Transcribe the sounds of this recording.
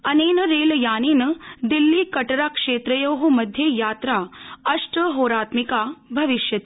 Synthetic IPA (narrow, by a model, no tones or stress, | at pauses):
ɐneːnəɾeːljaːniːnəd̪ilːiːkɐʈɾakʂeːt̪ɾəjoɦumɐd̪ʱjejaːt̪ɾaɐʂʈəɦoːɾaːt̪mikabʱɐʋiʃjɐt̪ː